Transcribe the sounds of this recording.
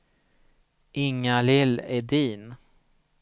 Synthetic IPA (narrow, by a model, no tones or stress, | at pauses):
ɪŋːalɪlɛɖiːn